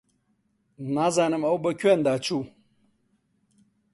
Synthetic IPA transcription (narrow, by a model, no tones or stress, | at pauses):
nazanəmawbɐkʲɛndat͡ʃu